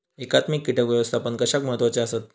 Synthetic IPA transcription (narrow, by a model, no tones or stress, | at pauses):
ekat̪mikːiʈəkʋjeʋəst̪ʰapəɳkəɕakməɦət̪ʋat͡seasət̪̚